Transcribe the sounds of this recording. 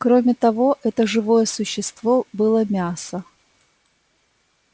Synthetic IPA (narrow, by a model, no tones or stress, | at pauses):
kɾomʲɪt̪ɐvo̞ʔɛt̪əʐɨvo̞jəsʊɕːɪst̪vo̞bɨlˠəmʲasə